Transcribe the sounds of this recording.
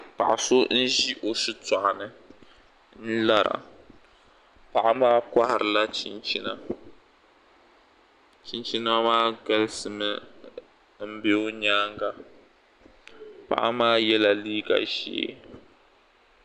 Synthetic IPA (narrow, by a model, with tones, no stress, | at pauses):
pa˨ʔa˨so˦n̩˦ʒi˦ʔo˨sɨ˦ta˨ʔa˨nɨ˦ | n̩˦la˦ɾa̰˨ | pa˨ʔa˦maː˦kʷa˦hɪ˨ɾɨ˨la˦t͡ʃi˦nt͡ʃi˦na̰˦ | t͡ʃi˦nt͡ʃi˦n˦a˦maː˦ɡa˦lsɨ˨mɨ˦ | m̩˦bɪ˦o˦ɲaː˦ŋɡa˨ | pa̰˨ʔa˦maː˦jɛ˦la˦liː˦ɡa̰˨ʒḛː˦